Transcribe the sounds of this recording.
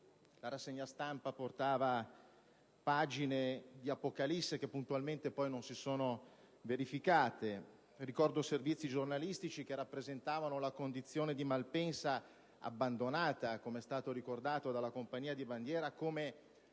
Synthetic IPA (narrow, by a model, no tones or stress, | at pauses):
laɾasːeɲːast̪ampaport̪aːva | paːd͡ʒined̪iapokalisːek̟epːunt̪ualment̪epːɔjnonsisoːno | veɾifikaːt̪e | rikɔrd̪oservit̪sːid͡ʒornalist̪it͡ʃik̟erapːɾezent̪aːvanolakond̪it̪sːjoːned̪imalpɛnsa | a̰bːand̪onaːt̪akomeɛst̪aːt̪oɾikord̪aːt̪od̪alːakompaɲːiːad̪iband̪jɛːɾakoːme